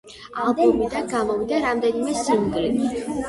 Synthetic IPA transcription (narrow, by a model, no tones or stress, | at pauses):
alˠbɔmid̪anɡamɔvid̪aɾamd̪ɛnimɛsimɡɾi